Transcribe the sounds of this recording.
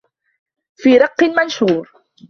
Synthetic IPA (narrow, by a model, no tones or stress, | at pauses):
fiːɾɑqːɨmanʃuːɾ